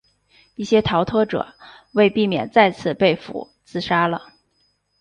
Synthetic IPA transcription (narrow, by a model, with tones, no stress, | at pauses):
i˥˩ɕjɛ˥t̪ʰɑ˧˥ʊt̪ʰɤ˥ʈ͡ʂɤ̰˨˩˦ | we˥˧ɪpi˥˩mjɛ̰˨˩nt͡sa˥˧ɪt͡sʰɹ̩˥˩pe˥˩ɪfṵ˨˩˦ | t͡sɹ̩˥˧ʂa˥lə˨